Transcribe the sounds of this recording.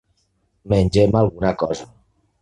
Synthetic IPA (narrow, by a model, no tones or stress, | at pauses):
menʲd͡ʒemalˠɣunakɔza